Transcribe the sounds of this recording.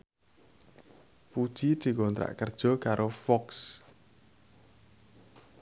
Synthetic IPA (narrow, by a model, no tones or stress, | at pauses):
pud̥ʒ̥i̥d̪̥i̤kɔnt̪ɾa̰ʔkərd̥ʒ̥ɔ̤kaɾʔofɔks